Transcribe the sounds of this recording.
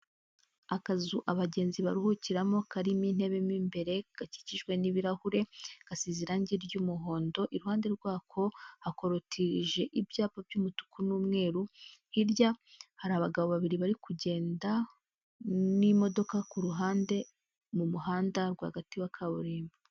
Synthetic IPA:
akazuʔaβaɟe̞ːnziβaɾuhuciɾamo̞kaɾimin̥e̞βe̞miːmbe̞ɾe̞ɡ̥aci̥ciʒɡwe̞niβiɾahuɾe̞ɡ̥asiziɾaɲɟiɾjuːmuɦo̞ːndo̞ʔiɾuhaːnde̞ɾɡwaːkʰo̞hako̞ɾotʰiʒe̞ʔibjaːpabjuːmutu̥kunuːmŋe̞ːɾuhiɾjahaɾaaβaɡaβo̞βaβiɾiβaɾikuɟe̞ːnda | nimo̞do̞kakuɾuɦaːnde̞ | mumuɦaːndaɾɡwa̰hɡatiwakʰaβuɾeːmba

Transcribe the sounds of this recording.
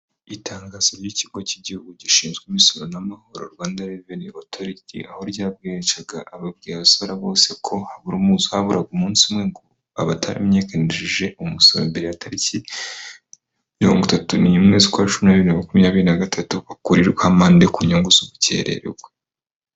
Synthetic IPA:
itʰaːŋɡaːz̥aɾjiciɡociɟihuɡuɟiʃiːnzɡwimisoɾonamaho̞ɾo̞̰ɾɡwaːndaɾeveniotʰo̞ɾitʰḭʔaho̞ɾɟaːb̚ɡeɾet͡ʃaɡaʔːβab̚ɡiːjaβasaɾaβo̞ːse̞kʰo̞haβuɾumuːzuhaβuɾʔaɡumuːnsumŋe̞ŋɡo | aβatʰa̰ɾḭmɲe̞ːkeneʒiʒe̞ʔumusoɾḛmbe̞ɾeatʰaɾici | miɾo̞̰ːŋɡutatunijumŋe̞ːzikwat͡ʃuminaβiɾinamakumiɲaːβiɾinaɡatʰatuβakuɾiɾɡehamaːndekuɲoŋɡuzuβuce̞̰ɾe̞̰ɾeɡwe

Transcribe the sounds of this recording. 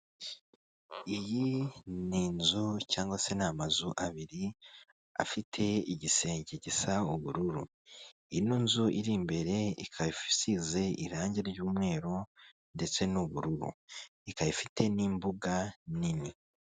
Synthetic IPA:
ijiniːnzucaːŋɡwase̞namazuʔaβiɾi | a̰fitʰe̞iɟise̞ːɲɟeɟisauβuɾuɾṵ | iinuːnzuʔiɾimbe̞ɾe̞ḭkʰaifi̥size̞ḭɾaːɲɟeɾɟuːmŋe̞ːɾo | nde̞t͡se̞nuβuɾuɾṵ | ikajifitʰe̞niːmbuɡanini

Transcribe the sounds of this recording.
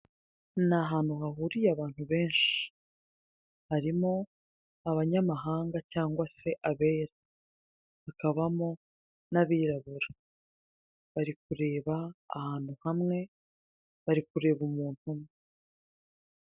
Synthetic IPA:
naɦaːn̥uhaɦuɾijaβaːn̥huβe̞ːnʃi̥ | haɾimo̞ | aβaɲamaɦaːŋɡacaːŋɡwase̞ʔaβe̞ːɾa | βakaβamo̞ | naβiːɾaβuɾa | βaɾik̚uɾe̞ːβa̰ːhaːn̥huhamŋe̞ | βaɾikuɾe̞ːβumuːn̥umŋee

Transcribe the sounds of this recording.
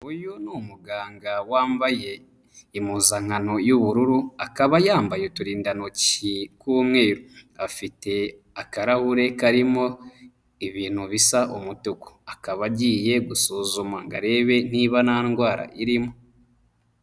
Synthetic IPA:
ujunumuɡaːŋɡawaːmbaje̞ | imuːzaŋano̞juβuɾuɾuakaβajaːmbajetuɾiːndanocikumŋe̞ːɾuafite̞ | akaɾahuɾe̞kaɾimo̞ | iβiːn̥huβisaʔomutuko̥akaβaɟiːje̞ɡusoːzomaŋɡa̰ɾe̞βe̞niβanaːnɡwaːɾa̰ʔiɾimo

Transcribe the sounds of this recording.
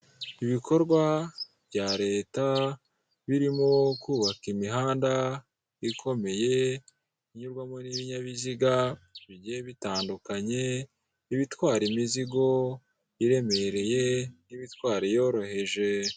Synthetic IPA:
iβikʰo̞ɾɡwa | β̥ɟaɾe̞ːta | βiɾimokuːβakimiɦaːnda | ikʰo̞me̞je̞ | iɲuɾɡwamo̞niβiɲaβiziɡaβiɟijeβitaːndukaɲe̞ | iβitwaːɾimiziɡo̞ | iɾe̞me̞ɾe̞je̞niβitwaːɾijo̞ːɾo̞he̞ʒe̞

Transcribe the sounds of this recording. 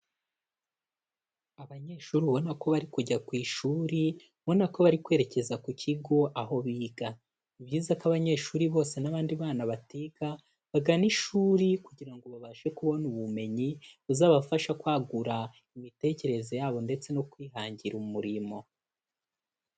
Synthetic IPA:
aβaɲe̞ːʃuːɾiuβo̞nako̞βaɾikuɟakwiːʃuːɾi | βo̞nako̞βaɾikwe̞ɾe̞ce̞zakucʰiɡo̞ʔaɦo̞βiːɡa | iβɟiːzakaβaɲe̞ːʃuːɾiβo̞ːse̞naβaːndiβaːnaβatiɡa | βaɡaniʃuːɾikuɟiɾaŋɡo̞βaβaːʃe̞kuβo̞nuβume̞ɲiβuzaːβafaʃakwaːɡuɾa | imite̞ce̞ɾe̞zo̞jaːβo̞nde̞t͡se̞no̞kwiːɦaːɲɟiɾumuɾimo̞

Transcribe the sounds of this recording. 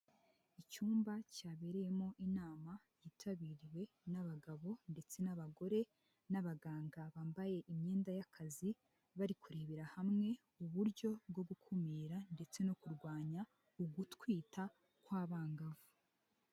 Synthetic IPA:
it͡ʃuːmbacaːβe̞ɾeje̞mŋo̞ʔinaːma | jiːtʰaβiɾiwe̞ | naβaɡaβo̞nde̞t͡se̞naβaɡo̞ɾe̞ | naβaɡaːŋɡaβaːmbaje̞ʔimɲe̞ːndajakʰazi | βaɾikuɾeβiɾahamŋe̞ | uβuɾɟo̞b̚ɡo̞bɡukʰumiːɾande̞t͡se̞nokuɾɡwaːɲa | uɡutwiːta | kwaːβaːŋɡavu

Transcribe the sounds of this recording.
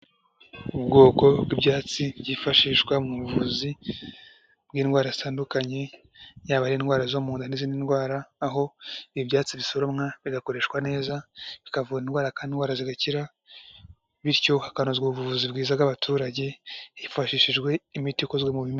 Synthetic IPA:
ub̚ɡo̞ːko̞bɡwibɟaːt͡sibɟifaʃiːʃɡwamuβuvuzi | b̥̚ɡiːnɡwaːɾazitʰaːndukaɲe̞ | jaːβaɾiinɡwaːɾazomuːndaniziːninɡwaːɾaːɦo̞iibɟaːt͡siβiso̞ɾomŋaβiɡako̞ɾe̞ːʃkwane̞ːzaβikavuɾinɡwaːɾakaːndinɡwaːɾaziɡaciɾa | βiɾco̞hakanozɡoβuβuvuzibɡiːzaɡaβatʰuːɾaɟe̞jifaʃiːʃiʒɡwe̞imitikozɡwemuβime

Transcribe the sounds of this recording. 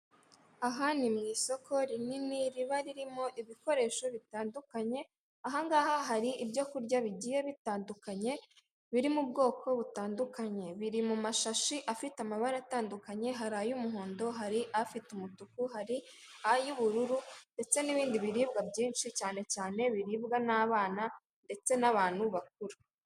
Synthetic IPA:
aɦanimɲiːso̞kʰo̞ɾininiɾiβaɾiɾimo̞ʔiβiko̞ɾe̞ːʃo̞βitaːndukaɲe̞ | aɦaŋɡaːhaɦaɾiʔːbɟo̞kuɾɟaβiɟiːje̞βitaːndukaɲe̞ | βiɾimubɡo̞ːkʰo̞βutaːndukaɲe̞βiɾimumaʃaʃiʔafitamaβaɾataːndukaɲe̞ɦaɾajumuɦo̞ːndo̞ɦaɾiʔafitumutukuɦaɾi | ajuβuɾuɾunde̞t͡se̞niβiːndiβiɾiːbɡabɟiːnʃicaːne̞caːne̞βiɾiːbɡanaːβaːna | nde̞t͡se̞naβaːn̥huβak̚uɾa

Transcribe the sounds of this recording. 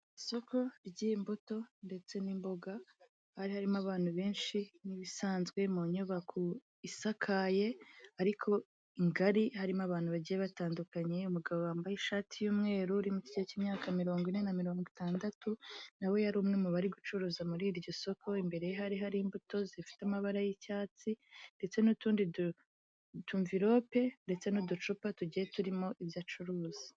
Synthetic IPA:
iso̞kʰo̞ɾɟimbuto̞nde̞t͡se̞nimbo̞ɡa | haɾihaɾimaβaːn̥huβe̞ːnʃiniβisaːnzɡwe̞moɲuβakʰu | isakʰajeaɾikʰo̞ | iŋɡaɾihaɾimaβaːn̥huβaɟijeβataːndukaɲe̞umuɡaβowaːmbajiʃaːtʰijuːmŋe̞ːɾuɾimuci̥ɟeciːmɲaːkamiɾo̞ːŋɡwinenamiɾo̞ːŋɡitaːndatʰunawe̞jaɾuːmŋeumuβaɾiɡut͡ʃuɾuːzamuɾiːɾɟo̞so̞kʰo̞imbe̞ɾe̞jeɦaɾiɦaɾiːmbuto̞zifi̥tamaβaɾajicaːt͡sinde̞t͡se̞nutuːndidu | tuɱviɾo̞ːpe̞nde̞t͡se̞nudut͡ʃupatuɟije̞tuɾimo̞ʔivjat͡ʃuɾuːz̥i̥

